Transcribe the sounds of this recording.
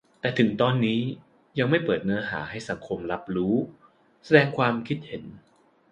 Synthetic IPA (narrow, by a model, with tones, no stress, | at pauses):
t̪ɛː˨˩t̪ʰɯ˩˦ŋt̪ɔː˧nːiː˦˥ | ja˧ŋma˥˩jpɤː˨˩t̪̚nɤ˧˥ɦa̰ː˩˦ha˥˩jsa˩˦ŋkʰo˧mla˦˥p̚ɾuː˦˥ | sa˧dɛː˧ŋkʰwaː˧mkʰi˦˥t̪̚he˩˦n